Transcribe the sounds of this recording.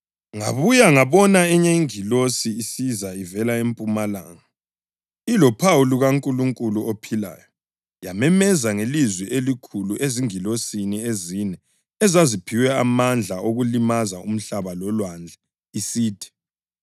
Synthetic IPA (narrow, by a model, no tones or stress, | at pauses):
ŋa̰βujaŋaβɔnaɛɲeiŋilosiːsizaivɛlaempʼumala̰ːŋa | ilɔpʰawuluɣaŋkʼuluŋkʼuluopʰila̰ːjɔ | jamɛmɛzaŋelizwɛʔelikʰuluʔeziŋilosiniezinɛ | ɛzazipʰiwɛamand͡ɮʱaoɣulimazaum̩ɬaβalɔlwand͡ɮʱɛ | isiːtʰi̥